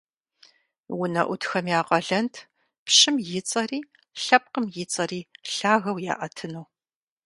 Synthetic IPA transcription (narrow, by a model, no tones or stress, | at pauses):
wʊnɐ̰ʔʷʊtxɐmjaːqʼɐɮɐntʰ | pɕɪmjɪt͡sʼɐriː | ɬɐp̚qəmjɪt͡sʼɐriːɬaːɣɐwja̰ːʔɐtʰɨnuː